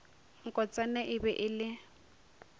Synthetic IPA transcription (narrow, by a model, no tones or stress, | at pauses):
ŋ̩kʼɔt͡sʼanɛʔɪbɛʔɪlɪ